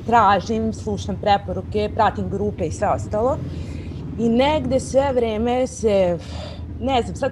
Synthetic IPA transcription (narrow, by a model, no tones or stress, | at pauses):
t̪ɾaːʒimslˠuʃampɾepoɾukepɾat̪imɡɾuːpeisʋe̞o̞st̪aːlˠo̞ | ineɡd̪esʋeʋɾeːmese | neznamsad̪